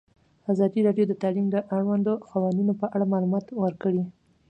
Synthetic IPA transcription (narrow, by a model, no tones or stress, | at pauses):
azɑd̪iɾɑɖjod̪ət̪alimd̪əʔaɽwand̪oxawanunopəʔaɽamɑlumɑt̪wəɾkəɽi